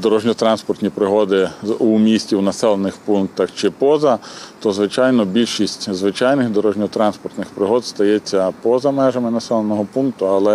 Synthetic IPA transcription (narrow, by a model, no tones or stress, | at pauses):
d̪ɔɾɔʒnʲɔt̪ɾɑnspɔrt̪ʲnʲipɾɪɦɔd̪ɪumʲisʲtʲiwnɐsɛlˠenɪxpunk̚t̪ɐxt͡ʃɪpɔzɐt̪ɔzʋɪt͡ʃɑjnɔbʲilʲʃisʲtʲzʋɪt͡ʃɑjnɪxd̪ɔɾɔʒnʲɔt̪ɾɑnspɔrt̪nɪxpɾɪɦɔd̪st̪ɐjɛt͡sʲːɐpɔzɐmɛʒɐmɪnɐsɛlˠenɔɦɔpunk̚t̪ʊɐlˠɛ